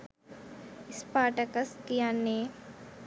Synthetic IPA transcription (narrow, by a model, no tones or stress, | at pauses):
ɪspaːʈɐkəskijanːeː